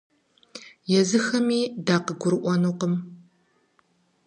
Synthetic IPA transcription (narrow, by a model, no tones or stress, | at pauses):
jɛzɨxɐmiːdaːqəɡʷʊɾɨʔʷɔnuːqəm